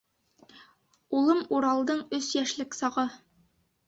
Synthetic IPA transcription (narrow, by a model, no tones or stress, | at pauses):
ulˠɤmuɾɑlˠd̪ɤɴɵsjæʃlɘksɑʁɤ